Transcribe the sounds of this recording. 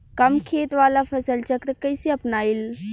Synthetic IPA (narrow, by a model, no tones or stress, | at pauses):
kɐmkʰeːt̪ʋaːlapʰɐsəlt͡ʃɐkɾkɐjsiɐpnaːil